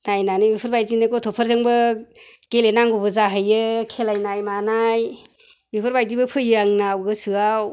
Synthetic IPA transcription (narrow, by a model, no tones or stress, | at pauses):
najnanɯmipʰɯɾbajzinɯkɔtʰɔpʰəɾzɯŋbɯɡ̥elenaŋɡubɯzaɦɯjɯkʰelajnajmanajmipʰɯɾbajdibɯpʰɯjɯaŋnawɡɯsɯaw